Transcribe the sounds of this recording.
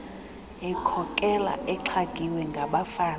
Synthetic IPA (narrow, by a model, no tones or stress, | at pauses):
ɛkʰɔkʼɛla̰ʔɛǁʰaɡ̥ʱiwɛŋɡʱaɓafaː